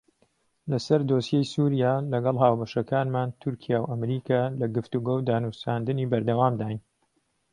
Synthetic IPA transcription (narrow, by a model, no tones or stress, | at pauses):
lɐsɐɾd̪osjejsuɾjaːlɐɡɐlˠɦaːwbɐʃɐkaːnmaːnt̪ʰʊɾkʰijaːwʔɐmɾiːkʰaːlɐɡɨft̪uɡowd̪aːnusaːnd̪ɨniːbɐɾd̪ɐwaːmd̪aːjn